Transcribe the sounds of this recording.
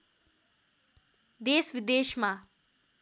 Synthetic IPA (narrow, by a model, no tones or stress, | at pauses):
d̪eːsʋɪd̪eːʃmã